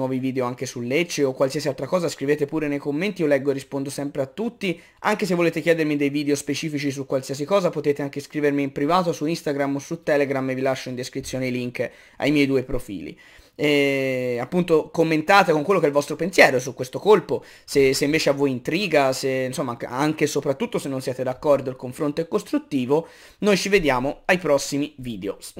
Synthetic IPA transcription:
wɔːviviːd̪eoaŋkesulːet͡ʃːeokːwalsiasialt̪ɾakɔːzaskɾiveːt̪epuːɾenejkomːent̪iolɛɡːoerːispond̪osɛmpɾeat̪ːut̪ːi | aŋkes̬evːoleːt̪ekjɛːd̪eɾmid̪ejviːd̪eospet͡ʃiːfit͡ʃis̬ukːwalsias̬ikɔːzapot̪eːt̪eaŋkeskɾiːvermiːmpɾivaːt̪osuist̪aɡɾamːosut̪ːɛːleɡɾamːevilaʃːoind̪eskɾit̪sjoːneiliŋk | a̰jmjɛjd̪uːepɾofḭːlḭ | ɛapːunt̪okomːent̪aːt̪ekoŋkwelːokɛilvɔst̪ɾopensjɛːɾos̬ukːwest̪okolpo | seseiɱveːt͡ʃeavːojint̪ɾiːɡaseinsomːa̰aŋkesopɾat̪ːut̪ːosenːonsjɛːt̪ed̪akːɔrd̪oilkoɱfɾont̪oɛkːost̪ɾut̪ːiːvo | nojt͡ʃived̪jaːmoajpɾɔsːimiviːd̪eo

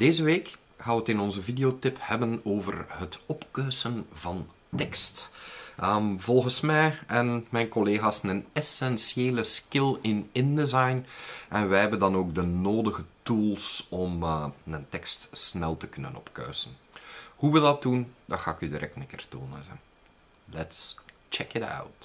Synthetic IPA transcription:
d̥eːzəʋeːk | xaːʋətɪnɔnzəvidejotɪphɛbənoːvə̰rɦətɔpkœɥsənvɑn | tɛkstʔəmvɔlˠɣənsmɛjɛnmɛjnkɔleːɣaːsnənɛsɛnsjeːləskɪlɪnɪndəzɑjnʔɛnʋɛɦɛbəndɑnoːɡdənoːdəɣətulˠsɔmnəntɛkstsnɛlˠtəkɵnə̰nɔ̰pkœ̰ɥsənhuʋədɑt̚dundɑxaːɪkydiɾʔɛ̰k̚tnɛkɪ̰rto̰ːnə̰n | lɛtst͡ʃɛkɪta̰wt

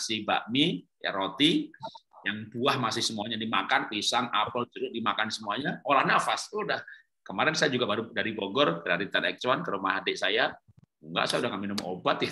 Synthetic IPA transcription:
siba̰ʔmi | ja̰ɾot̪i | jaŋbuahmasɪhsəmuaɲadimakanpisaŋa̰palt͡ʃuɾʊʔ̚dimakansəmuaɲaolahnafasudah | kəmaɾɛnsajad͡ʒuɡabaɾudaɾiboɡɔrtəɾaɾit̪anɛ̰k̚t͡ʃwankalomaɦadɪʔsaja | ŋɡa̰ʔsajaudahkanminʊmo̰bat̪ja

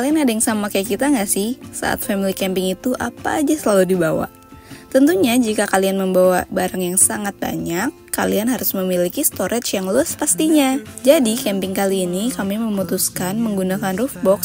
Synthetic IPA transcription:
kaliankadajaŋsamakajkit̪aŋɡaʔsɪhsa̰ʔa̰t̪̚fɛmilikɛmpɪŋit̪uʔapa̰ːd͡ʒasəlaludibawa̰ʔ | t̪ənt̪uɲad͡ʒikakalianməmbawabaɾaŋjaŋsaŋat̪̚ba̰ɲakːa̰lianɦaɾʊsməmilikist̪oɾʔɛt̪t͡ʃjaŋluaspast̪iɲa | d͡ʒadikɛmpɪŋkaliːnikamiməmut̪uskanməŋɡunakanrufbɔks

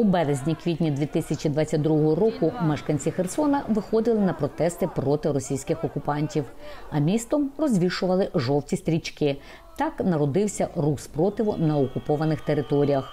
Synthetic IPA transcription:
ubɛɾezʲnʲikʋʲit̪ʲnʲid̪ʲʋʲit̪ɪsʲɐt͡ʃʲid̪ʋɑt͡sʲːɐt̚ʲd̪ɾuɦɔɦɔɾɔkʊmɛʃkɐnʲt͡sʲixersɔnɐʋɪxɔd̪ɪlˠɪnɐpɾɔt̪ɛst̪ɪpɾɔt̪ɪɾɔsʲijsʲkɪxɔkʊpɑnʲtʲiwɐmʲist̪ɔmrɔzʲʋʲiʃʊʋɐlˠɪʒɔwtʲist̪ʲɾʲit͡ʃkɪ | t̪ɑknɐɾɔd̪ɪwsʲɐruxspɾɔt̪ɪʋʊnɐɔkʊpɔʋɐnɪxt̪eɾɪt̪ɔɾʲijɐx

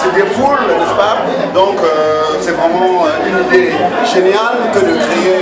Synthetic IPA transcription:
sɛd̪efulnɛspa | d̪ɔ̃kø | sɛvʁɛmɑ̃øynd̪e | ʒenjalkəd̪əkχee

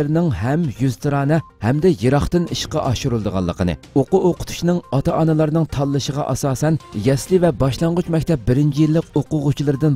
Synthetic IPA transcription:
ɾnɪŋɦɛmjyzt̪ʰɨɾɑːnɛ | hɛmd̪ɛjeɾɑχt̪ɨniʃqɑʔɑʃuɾulˠd̪əʁɑ̰lˠːəqʰənɨ̰ | oqʊoqʊ̥t̪ʰu̥t͡ʃinɨŋɑt̪ʰɑʔɑnɨlˠɑɾnɨŋt̪ʰɑlˠːɨʃəʁɑ̰ʔɑsɑːsɛnjɛslɪvɛbɑʃlˠɑɴʁʊt͡ʃmɛkʲt̪ʰɛp̚bɪɾɪnt͡ʃʰijilːɪqoqʊʁʊt͡ʃʰilˠɨɾɨd̪ɨn

